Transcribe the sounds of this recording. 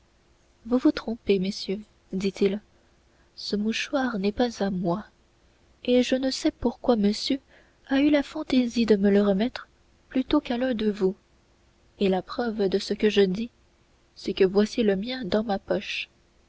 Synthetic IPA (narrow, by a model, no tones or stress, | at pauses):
vuvut̪χɔ̃peməsjø | d̪it̪il | səmuʃwaʁnɛpazamwa | eʒənəsɛpuʁkwaməsjø | aylafɑ̃t̪ezid̪əmələʁəmɛt̪χ | plyt̪okalɛ̃d̪əvu | elapχœvd̪əsəkəʒəd̪i | sɛkəvwasjeləmjɛ̃d̪ɑ̃mapɔʃ